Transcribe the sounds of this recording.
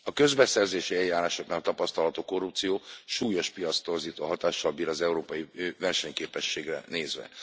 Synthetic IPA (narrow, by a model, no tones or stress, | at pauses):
ɒkø̞zbɛsɛrzeːʃiɛjːaːɾaːʃo̞knaːlt̪ɒpɒst̪ɒlɒt̪oːko̞rːup̚t̪sijoːʃuːjo̞ʃpijɒt̪st̪ːo̞rziːt̪oːɦɒt̪aːʃːɒlbiːɾɒzɛuɾoːpɒjivɛrʃɛɲkeːpɛʃːeːɡrɛ̰neːzʋɛ̰